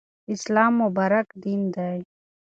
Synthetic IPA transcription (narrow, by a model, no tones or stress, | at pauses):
islaːmːubaːɾɐkd̪iːnd̪aj